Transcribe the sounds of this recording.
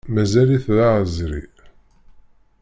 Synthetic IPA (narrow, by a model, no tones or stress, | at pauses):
mæzæliθðaʕəzɾḭ